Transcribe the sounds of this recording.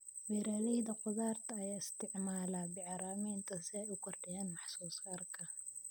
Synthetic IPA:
wɛːɾaːlɛjðɐqʊðaːrt̪ʰɐɐjaːɪst̪ʰɪʕmaːlaːbɪʕɑɾaːmɛːnt̪ʰɐsɪɛjʊkʰɔrɖɪjɛːnmɑħsuːsaːrkʰɐ

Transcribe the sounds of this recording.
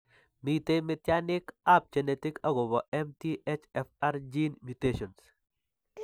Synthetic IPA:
mitemɪtjanɪkap̚d͡ʒenetɪkaɡɔbɔʔɛmtiʔet͡ʃɛfaɾd͡ʒinmjuteʃɔns

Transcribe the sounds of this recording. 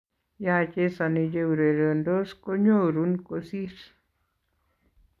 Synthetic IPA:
jat͡ʃesanid͡ʒeuɾeɾəndoskoɲoɾunkosiɾ

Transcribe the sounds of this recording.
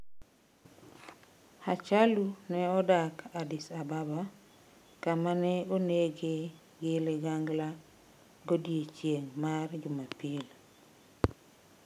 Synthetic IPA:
at͡ʃalunɛɔdakʰadɪsababa | kamanɛoneɡe | ɡeleɡaŋɡla | ɡodjet͡ʃjeŋmard͡ʒʊmapil

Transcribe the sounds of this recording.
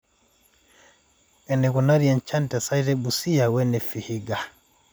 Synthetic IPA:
ʔɛnɛkunaɾijant͡ʃantɛsajɾɛbusijawɛnɛfihiɡa

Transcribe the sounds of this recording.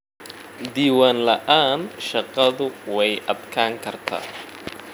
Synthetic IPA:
d̪iːwaːnlɐʔaːnʃɑqɑðʊwɛjʔɐd̪kʰaːŋkʰɐrt̪ʰa̰ː

